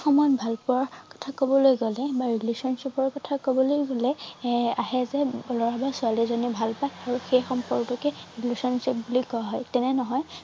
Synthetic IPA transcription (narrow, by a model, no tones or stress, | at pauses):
xɔmɔjɔtbʱalpɔaɹkɔ̥tʰakobɔlojɡɔlɛbaɹilusɔnsepɔɹkɔtʰakobɔlojɡɔlɛaɦɛzɛlɔɹabasʊalizɔnibʱalpajaɹuxejxɔmpɔɹɡtɔkɛɹiɡlusɔnsep̚bulikɔaɦɔjtɛnɛnɔɦɔj